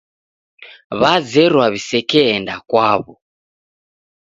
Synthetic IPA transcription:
βazɛɾwaβisɛkɛːndakwaβɔ

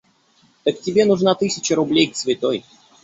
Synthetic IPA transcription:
t̪əktʲɪbʲe̞nʊʐnat̪ɨsʲɪt͡ɕəɾʊblʲejk̪svʲɪt̪oj

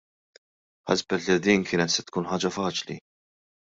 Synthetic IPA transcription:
ħɐ̰sbɛt̪lid̪iːnkʰɪːnɛt̪sɛt̪kuːnħɐːd͡ʒɐfɐːt͡ʃlḭ

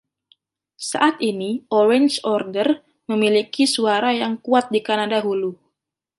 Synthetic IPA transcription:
sa̰ʔat̪iniʔɔɾɛnt͡ʃɔrdər | məmilikisuaɾajaŋkuat̪̚dikanadaɦulu

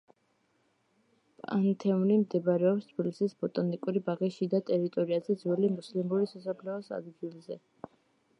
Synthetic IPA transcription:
pʼa̰nt̪ʰɛunimd̪ɛbɾɛɔpst̪ʰbilisisbɔt̪ʼɔnikʼuɾibaʁiʃid̪at̪ʼɛɾit̪ʼɔɾiazɛd̪zwɛlimuslimuɾisasapʰlɛɔsa̰d̪ɡilˠzɛ

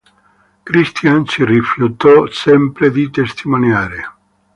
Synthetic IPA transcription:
kɾist̪jansirifjut̪ɔsɛmpɾed̪it̪est̪ʰimonjaːɾe

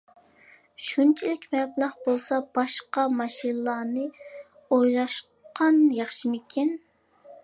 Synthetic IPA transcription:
ʃunt͡ʃʰilɪkʲmɛblˠɑʁbolˠsɑb̥ɑʃqɑmɑʃinlˠɑːnɨ | ojlˠɑʃ | qʰɑnjɑχʃimɪkʲʰin

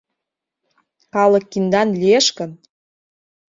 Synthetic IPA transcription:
kɑlə̆kːind̪ɑnlʲieʃkə̆n

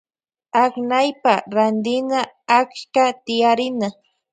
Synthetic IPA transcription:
aknajpaɾand̪ɪnaakʃkat̪ɪjaɾɪna

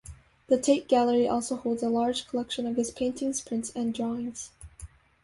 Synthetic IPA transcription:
ðɨtʰeɪt̚ɡ̥ælˠə˞iʔɔlˠsoʊhoʊlˠdzəlɑɹ̥ʒ̥kʰəlɛkʃə̃nʌv̥ɨz̥pʰẽɪ̃ntʰɪ̃ŋz̥pʰɹ̥ɪ̃ntsɨ̃ndɹɔɪ̃ŋz̥

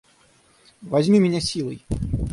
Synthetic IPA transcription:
vɐzʲmʲimʲɪnʲasʲilˠə̰j

